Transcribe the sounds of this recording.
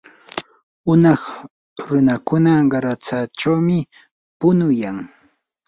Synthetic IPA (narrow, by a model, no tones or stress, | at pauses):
ʊnɑχ | ɾʊnakʊnaɢɑɾat͡sat͡ʃawmɪ | pʊnʊjaŋ